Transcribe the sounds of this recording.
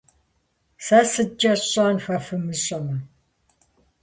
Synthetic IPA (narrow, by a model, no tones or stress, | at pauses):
sɐsɨd͡ʒʼɐɕʼaːnfʷɐfɨmɨɕʼɐmɐ